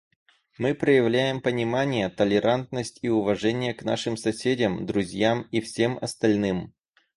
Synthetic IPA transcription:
mɨpɾəjɪvlʲæjɪmpənʲɪmanʲɪjət̪əlʲɪɾʔant̪̚nəsʲtʲiʊvɐʐɛnʲɪjəkna̰ʂɨmsɐsʲedʲɪmd̪ɾʊzʲjamifsʲemɐ̰st̪ɐlʲnɨm

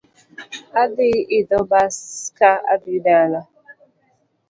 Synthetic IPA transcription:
abɪɪdɔbaskaa̰bidaala

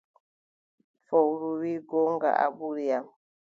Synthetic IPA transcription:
fɔwɾuwiɡoŋɡa̰ʔa̰ɓuɾia

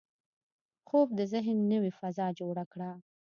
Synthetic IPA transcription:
xob̚d̪əzɪɦnːəwifazɑd͡ʒoɽakɽa

